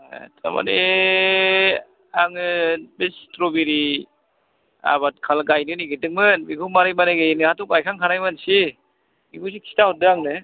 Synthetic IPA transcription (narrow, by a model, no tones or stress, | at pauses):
tʰa̰ma̰ne | aŋɯbestɾobiɾi | a̰bat̚kʰalɡajnɯniɡɯdɯk̚mɯnbiɡumaɾɯjmaneɡɯnɯatukajkʰaŋkʰanajmansi | biɡus̬ikʰi̥taɔt̚dɯaŋnɯ